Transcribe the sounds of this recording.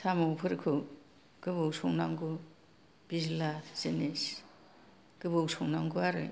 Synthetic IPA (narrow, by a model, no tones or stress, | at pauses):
sʰamɯwpʰɯɾkʰɯ | ɡ̥ɯbɯwsɔŋnaŋɡu | b̥izlazinis | ɡ̥ɯbɯwsɔŋnaŋɡuaɾɯ̰